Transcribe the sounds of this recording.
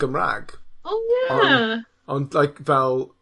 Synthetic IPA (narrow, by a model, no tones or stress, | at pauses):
əmɹa̰ɡ̥oʊjæɔ | ɔ̃ndlˠajkvɛlˠ